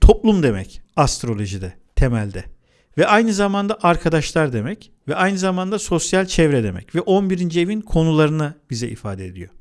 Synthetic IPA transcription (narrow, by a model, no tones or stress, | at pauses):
t̪ʰo̞plˠumd̪e̞mɛ̰cast̪ɾo̞lʲˠo̞ʒid̪ɛt̪ʰe̞mælʲd̪ɛ | vɛʔajnɯzamand̪aʔaɾkʰad̪aʃlˠaɾd̪e̞mɛc | vɛajnɯzamand̪aso̞sjalʲt͡ʃʰɛvɾɛd̪e̞mɛ̰cvɛʔonbiɾind͡ʒievinkʰo̞nulˠaɾɯnab̥izɛʔḭfaːd̪eed̪ḭjo